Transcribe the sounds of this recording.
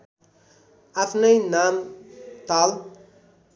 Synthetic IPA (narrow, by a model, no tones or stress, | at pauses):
afnəjnaːmt̪al